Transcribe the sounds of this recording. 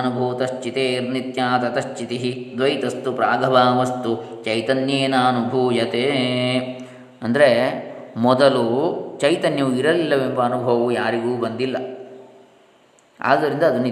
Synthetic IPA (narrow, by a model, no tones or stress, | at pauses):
nubʱuːt̪ɐʃt͡ʃit̪eːɾnit̪jaːt̪ɐt̪ɐʃt͡ʃit̪iɦid̪ʋɐjt̪ɐst̪upɾaːɡʱɐbaːmɐst̪ut͡ʃɐjt̪ɐnjeːnaːnubʱuːjɐt̪eː | ɐnd̪ɐɾemɔd̪ɐlut͡ʃɐjt̪ɐnjɐʋuiɾɐlilːɐʋembɐːnubʱɐʋɐʋujaːɾiɡuːbɐnd̪ilːɐ | a̰ːd̪ɐɾind̪ɐːd̪ɐni